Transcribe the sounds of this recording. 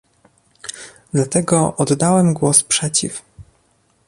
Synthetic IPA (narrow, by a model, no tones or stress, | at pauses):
d̪̥lat̪ɛɡɔʔɔd̪ːawɛmɡwɔspʂɛt͡ɕḭf